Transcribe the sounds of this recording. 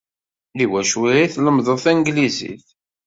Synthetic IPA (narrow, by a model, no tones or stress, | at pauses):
liwæʃwiɾiθləmðˤoθænɡlizḭθ